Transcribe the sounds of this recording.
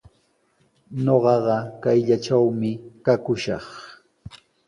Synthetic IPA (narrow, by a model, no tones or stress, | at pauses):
ɲoɢɑɢɑkajʎaʈ͡ʂawmɪkakʊʃɑ̰χ